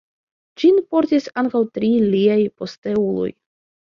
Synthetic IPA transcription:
d͡ʒinpo̞ɾtisaŋkawtɾiliajpo̞ste̞ulo̰j

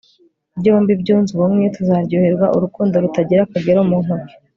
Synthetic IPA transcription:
bɟoːmbib̚ɟuːnzuβumŋetuzaːɾɟuheɾɡwaʔuɾukuːndo̞ɾutaɟiɾakaɡeɾomuŋoki̥

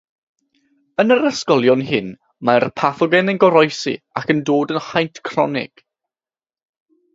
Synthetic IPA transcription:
ənəɾəskɔlˠjɔnɦɪn | marpʰaθɔɡɛnənɡɔɾɔjsḭ | akʰəndoːdənχajntʰkʰr̥ɔ̰nɪ̰ɡ̥

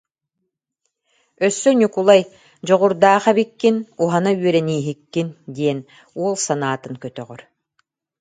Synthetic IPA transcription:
œsːœnʲukulˠaj | d͡ʑɔʁuɾd̪aːχabikːinuɦanayœɾɛniːɦikːind̪iɛn | uɔlˠsanaːt̪ɯnkœt̪œʁœɾ

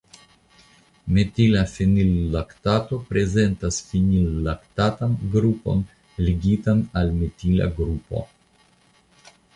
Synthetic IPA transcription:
metilafinilːaktato̞pɾe̞ze̞ntasfinilːaktatanɡɾupo̞̰n | liɡitanalmetila̰ɡɾupo̞̰

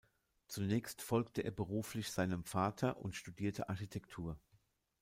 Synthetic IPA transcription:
t͡sunɛːçstfɔlktəʔḛːɐbəʁ̞uːflɪçz̥aɪnəmfaːtʰɐʔʊntʃtudiːɐtʰəʔa̰ɐçitʰɛktʰuːɐ

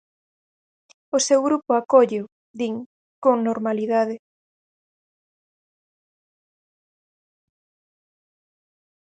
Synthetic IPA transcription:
ʊsewɣɾupʊakoʎʊ | d̪iŋ | koŋnoɾmaliðaðɪ

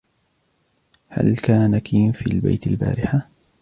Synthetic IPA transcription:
ha̰lkaːnakʰiːfiːlbajt̪alba̰ːɾɪħa

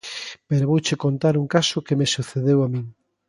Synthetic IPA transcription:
peɾoβowt͡ʃekont̪aɾuŋkasʊkemesuθeðewamĩŋ

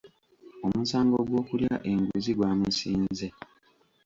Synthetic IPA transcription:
o̞musaːŋɡo̞ɡwo̞ːkuljaʔe̞ŋɡuziɡwaːmusiːnze

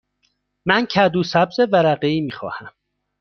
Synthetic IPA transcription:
mæncʰæd̪uːsæbzevæɾæɢeiːmiːxɒ̰ːhæm

